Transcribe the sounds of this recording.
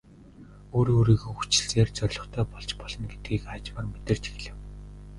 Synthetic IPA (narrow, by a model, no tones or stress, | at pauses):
oːɾoːɾiːɣuːxut͡ɕɪ̆ɬt͡seːrt͡sœrʲɮɞ̆χt̪ʰœːpɔɮt͡ɕpɔɮɞ̆nɡet̪̚ɡiːkat͡ɕmăːrmet̪ɘ̆rt͡ɕe̥xɮĕːw